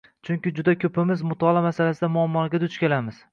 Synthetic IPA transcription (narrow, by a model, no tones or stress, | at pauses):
t͡ʃʰʊŋʲkʲɪd͡ʒʊd̪akʲʰɵpʰɪmɪzmʊt̪ʰɒlˠamasalasɪd̪amʊamːɒɡʲad̪ʊt͡ʃkʲelamɪz̥